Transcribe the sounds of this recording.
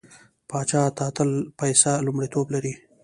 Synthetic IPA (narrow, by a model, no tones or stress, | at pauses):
pɑt͡ʃɑt̪ɑt̪əlpajsalʊmɽit̪oblaɾi